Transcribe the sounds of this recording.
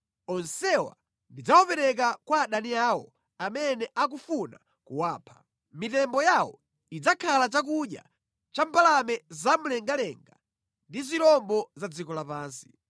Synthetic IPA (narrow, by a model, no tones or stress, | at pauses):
ɔnsɛwa̰ | ndid͡zawɔpɛɾɛk̬akwaːɗaniaːwɔ | amɛnɛʔak̬ufuna | kṵwaːpʰḁ | mitɛmbɔjawɔ̰ | id͡zakʰalat͡ʃak̬uɗja̰ | t͡ʃampalamɛzam̩lɛŋɡalɛŋɡa | ndiziɾlɔmbɔzad͡zikɔlapaːnsi̥